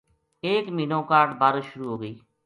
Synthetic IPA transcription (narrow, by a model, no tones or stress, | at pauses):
eːkmiːnõːkaːɾɖbaːɾʃʊɾuːɦoːɡəiː